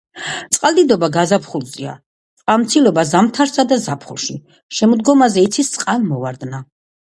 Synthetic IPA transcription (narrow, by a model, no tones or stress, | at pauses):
t̪sʼqʼalˠd̪id̪ɔbaɡazapʰχulˠzia̰ | t̪sʼqʼalˠmt̪sʰilɔbazamt̪ʰaɾsad̪azapʰχṵlˠʃi | ʃɛmɔd̪ɡɔmazɛit̪sʰist̪sʼqʼalˠmɔvaɾd̪na